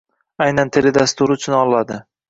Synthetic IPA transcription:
ajnant̪ʰeled̪ast̪ʊɾɪʊt͡ʃʰʊnɒlˠːad̪ɪ

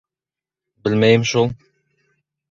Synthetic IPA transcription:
bɘlmæjɪmʃulˠ

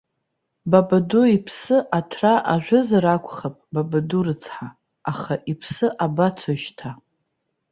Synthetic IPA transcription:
babaduipʰsɨʔatʰraʔaʒᶣʷʊzaɾakʷʰʼχapʼbabadurɨt͡sʰħaː | χaʔipʰsɨʔabat͡sʰoʃtʰa

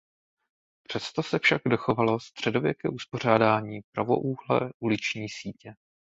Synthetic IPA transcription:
pr̝̥ɛst̪o̞sɛfʃaɡdo̞xo̞valo̞st̪r̝̥ɛdo̞vjɛkɛ̰ːʔuspo̞r̝aːdaːɲiːpɾavo̞̰ʔuːɦlɛ̰ʔulɪt͡ʃɲiːsiːcɛ

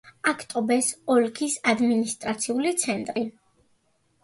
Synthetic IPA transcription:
akʰt̪ʼɔbɛsɔlkʰisad̪minist̪ʼɾat̪sʰiulit̪sʰɛnt̪ʼɾi

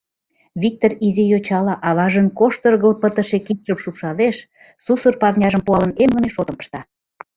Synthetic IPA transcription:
βʲik̚t̪orizejot͡ɕɑlɑʔɑβɑʒənkoʃt̪ərɣə̆lpət̪ə̆ʃekit̪ʃəmʃupʃɑleʃ | susərpɑrnʲɑʒəmpuɑlə̆nemɡə̆neʃot̪əmpə̥ʃt̪ɑ

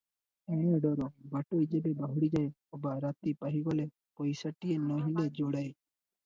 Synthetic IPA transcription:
eːneɖoːɾoːbaʈoːid͡ʒeːbeːbəɦʊːɽiːd͡ʒaːeː | oːbaːɾaːt̪iːpəɦiːɡoːleː | poːiːsəʈːijeːnõːɦɪ̃ndaːd͡ʒoːɽaːeː

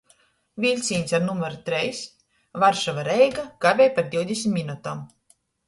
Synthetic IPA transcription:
vʲilʲt̪sʲiːnʲsaɾnumɔɾt̪ɾɛjs | vaɾʃavaɾɛjɡaɡ̥avʲɛjpaɾd̪iwd̪ʲesʲmʲminut̪am

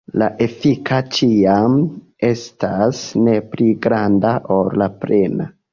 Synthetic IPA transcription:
laʔe̞fikʰat͡ʃiam | e̞stasne̞pliɡɾandaʔoɾlapɾe̞na

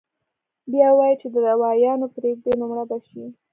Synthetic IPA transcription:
bjɑwɑjit͡ʃed̪əd̪awɑjɑnopɾeɡ̚d̪enʊmɽab̪aʃi

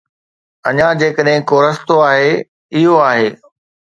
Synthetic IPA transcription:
ɐɲãd͡ʑeːkəɗɦɪ̃koːɾɐst̪oaːɦe | ɪɦoaːɦeː

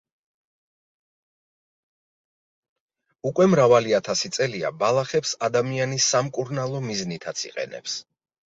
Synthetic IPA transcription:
ukʼwɛmɾavaliat̪ʰasit̪sʼɛlia̰balˠaχɛpsad̪amianisːamkʼuɾnalˠɔmiznit̪ʰat̪sʰḭqʼɛ̰nɛ̰ps

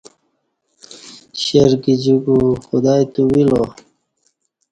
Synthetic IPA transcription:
ɕeɾɡid͡ʑuɡuxud̪aːjt̪uwilo

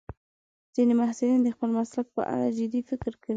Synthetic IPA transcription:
z̥inemahsulind̪əxpəlmaslak̚pə̰ʔa̰ɽad͡ʒɪd̪ifɪkɾkawi

